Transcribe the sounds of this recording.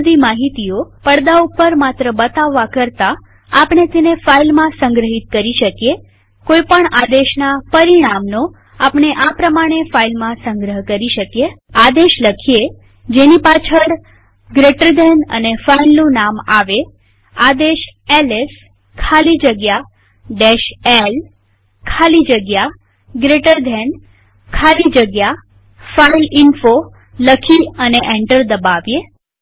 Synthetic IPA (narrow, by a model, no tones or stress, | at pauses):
d̪imaɦit̪iopəɽd̪aupəɾmat̪ɾəbət̪aʋːakəɾt̪a | apɳet̪enefailmãsəŋɡɾəɦit̪̚kəɾiʃəkje | koipəɳad̪eʃnapəɾiɽ̃amno | apɳ̃eʔapɾəmaɽ̃efailmãsə̃ŋɡɾəɦkəɾiʃəkje | ad̪eʃləkʰie | d͡ʒenipat͡ʃʰəɾ | ɡɾeʈəɾd̪ʱɛnə̰nefainnũnamaʋe | ad̪eʃeles | kʰalid͡ʒəɡja | ɖeʃel | kʰalid͡ʒəɡja | ɡɾeʈəɾd̪ʱen | kʰalid͡ʒəɡja | failɪnfo | ləkʰiəneʔẽɳʈəɾd̪əbaʋje